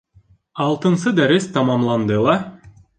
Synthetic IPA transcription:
ɑlˠt̪ɤ̆nsɤd̪æɾist̪ɑmɑmlˠɑnd̪ɯlˠɑ

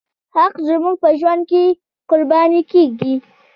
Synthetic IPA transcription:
haqzəmuɡ̚pəʒwand̪̚ke | qʊɾbɑnikeɡi

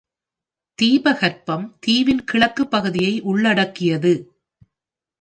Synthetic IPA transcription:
t̪iːbɐɣɐɾpɐmt̪iːʋɪnkɪɭɐkːɯpːɐɣɯðɪjɐɪʔʊɭːɐɽɐkːɪjɐðɯ

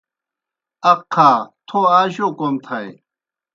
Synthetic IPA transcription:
ɐkʰːaːt̪ʰoaːɕokomt̪ʰɐj

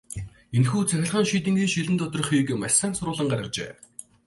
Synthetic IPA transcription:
enxuːt͡sʰæxʲɪ̆ɮχə̆ŋʃiːt̪̬ɘ̆ŋɡiːʃiɮɘ̆nt̪ʊt̪ɞ̆r̆χiːkɘ̆masaːnsʊɾʊːɮə̆ɴɢaɾʲə̆rt͡ɕḛː

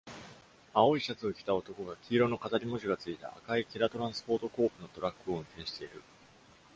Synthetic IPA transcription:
ao̞iɕat͡sɨo̞kʲi̥t̪ao̞t̪o̞ko̞ɡakʲʰiːɾo̞no̞kazaɾʲimo̞ʑiɡat͡sɨit̪a̰ːkaikʲeɾat̪o̞ɾãɰ̃sɨ̥po̞ːt̪o̞ko̞ːpɯ̟no̞t̪o̞ɾakːɯo̞ɯ̟̃nt̪ẽ̞ːɕi̥t̪e̞iɾɯ̟

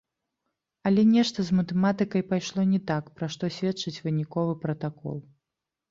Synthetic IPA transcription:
ɐlʲɛnʲɛʂt̪ɐzmɐt̪ɛmat̪ɨkɐjpajʂlˠɔnʲɛt̪akpɾaʂt̪ɔsʲvʲɛtt͡ʂɨt͡sʲvɨnʲikɔvɨpɾɐt̪akɔ̰lˠ

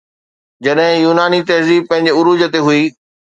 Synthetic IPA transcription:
d͡ʑɐɗɦɪ̃juːnaːnit̪ɐɦziːb̚pɐ̃ɦɪ̃ɲ̆d͡ʑʊɾuːd͡ʑət̪eɦuiː

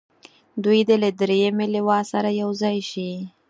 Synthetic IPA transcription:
d̪ujd̪əlad̪ɾejəmeliwɑsaɾajawzɑjʃi

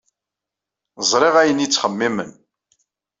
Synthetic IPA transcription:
zˤɾˤɪʁæjənjit͡sːχəmːimən

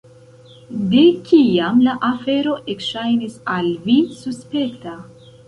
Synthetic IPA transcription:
de̞kʰiamlaʔafe̞ɾo̞ʔekʃajnisalvisuspe̞kta

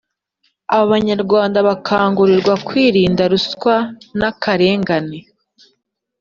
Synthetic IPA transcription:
aβoβaɲaɾɡwaːndaβakʰaːŋɡuɾiɾɡwakwiːɾiːndaɾuskwanakʰaɾe̞ːŋɡane

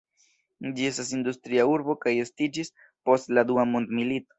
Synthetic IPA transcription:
d͡ʒie̞stas̬ind̪ust̪ɾiauɾbo̞kaje̞stid͡ʒis | po̞stlad̪uamond̪milit̪o̥

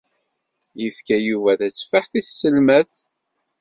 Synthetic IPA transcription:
jəfkæjuvæðæsfəħθiθsːəlmæθ

